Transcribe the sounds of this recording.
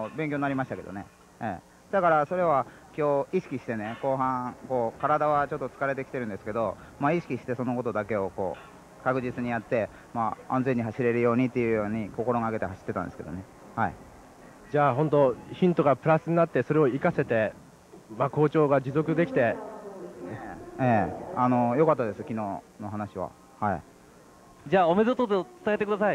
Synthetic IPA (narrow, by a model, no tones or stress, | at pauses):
beŋkʲoɲinaɾʲimaɕi̥t̪ake̞d̪o̞̰ne̞̰ | ḛː | d̪̥akaɾaso̞ɾe̞β̞a | kʲo̞ːiɕi̥kʲiɕi̥t̪e̞ne̞ko̞ːɦãko̞ːkaɾad̪aβat͡ɕo̞t̪ːot͡sɨ̥kaɾe̞t̪̬e̞kʲi̥t̪e̞ɾɯ̟̃nd̪esɨ̥ke̞d̪o̞ | maiɕi̥kʲiɕi̥t̪e̞so̞no̞ko̞t̪o̞d̪ake̞o̞ko̞̰ː | kakɯ̟ʑit͡sɨɲ̟ijat̪ːe̞ | maã̰nd͡ze̞ɲ̟ːiɦaɕiɾe̞ɾɯ̟jo̞ːɲ̟it̪ːe̞jɯ̟ːjo̞ːɲ̟iko̞ko̞ɾo̞ŋaɡe̞t̪e̞ɦaɕi̥t̪ːet̪ãnd̪eɨ̥ked̪o̰ne̞ | haḭ | d͡ʑaːɦõ̞nt̪o̞çĩnt̪o̞ɡapɯ̟ɾasɨɲ̟inat̪ːe̞so̞ɾe̞o̞ikase̞t̪e̞ | mako̞ːt͡ɕo̞ːɡad͡ʑizo̞kɯ̟d̪e̞kʲi̥t̪e̞ | eːano̞jokat̪ːad̪e̞sɨkʲino̞ː | no̞ɦanaɕiβ̞a̰ | hai | d͡ʑaːome̞zot̪ot̪et͡sɨ̥t̪aet̪e̞kɯ̟d̪asai